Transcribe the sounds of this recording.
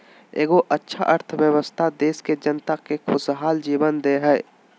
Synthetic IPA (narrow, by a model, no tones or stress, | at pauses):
eːɡoʔətːʃʰa̰ʔəɾt̪ʰəʋjəwəst̪ʰad̪eːsked͡ʒənt̪akekʰʊsɦaːld͡ʒiːbənd̪eɦɛː